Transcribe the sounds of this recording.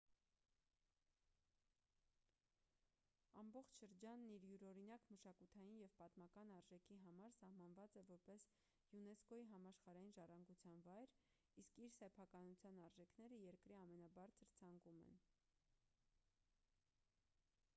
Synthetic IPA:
ɑmbɔχt͡ʃʰʃəɾd͡ʒɑnːiɾjuɾɔɾinɑkməʃɑkut̪ʰɑjinjɛvpɑt̪mɑkɑnɑɾʒɛkʰiɦɑmɑɾsɑhmɑnvɑt͡sɛvɔɾpɛs | junɛskɔiɦɑmɑʃχɑɾɑjinʒɑrɑŋɡut͡sʰjɑnvɑjɾ | iskiɾsɛpʰɑkɑnut͡sʰjɑnɑɾʒɛkʰnɛɾəjɛɾkɾiɑmɛnɑbɑɾt͡sʰəɾt͡sʰɑŋɡumɛ̰n

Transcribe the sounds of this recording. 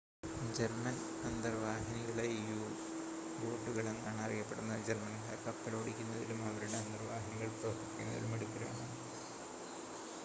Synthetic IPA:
d͡ʑermɐn | ɐnd̪ɐrʋaːɦiniɣɐɭeijuː | ɡo̞ːʈːuɣɐɭenːaːɳɨɐrijɐpːeɽunːɐd͡ʑermɐnɐ̰kːɐpːɐlo̞ːɽikʲːunːɐðilumɐʋɐɾuɽeɐnd̪ɐrʋaːɦiniɣɐɭpɐt̪ːikʲːunːɐ̰ðḭlumeɽukːɐɾɐma̰ɳ

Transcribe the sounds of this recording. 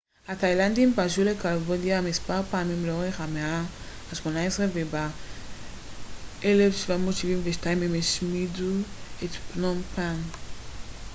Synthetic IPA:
hatajlandimpaʃulekalbodjaamispaʁpaamimleoʁeχhamea | haʃmonaesʁeveba | ʔelefʃvamoːtʃivimveʃtaimemeʃmiduetpnompan

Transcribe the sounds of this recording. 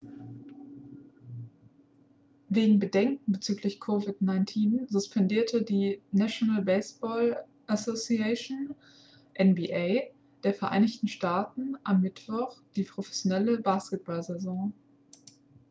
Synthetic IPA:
veːɡŋ̩bədɛŋkŋ̩bət͡syːklɪçkʰovɪtnaɪntʰiːnzʊspʰɛndiːɐtʰədiːnaʃonalbɛɪsb̥ɔːl | ʔasosiɛʃn | ʔɛnbiːʔɛɪ | d̥eːɐfɛɐʔa̰ɪnɪçtn̩ʃtaːtn̩ʔamːɪtv̥ɔχd̥iːpʁ̥ofɛ̥sjonɛləbaːskɛt̚b̥alzɛzɔ̃ŋ

